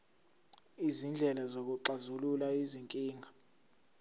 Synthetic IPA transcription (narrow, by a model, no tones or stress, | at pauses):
izind͡ɮʱɛlazok̬uǃazululaiziŋkʼiːŋʱa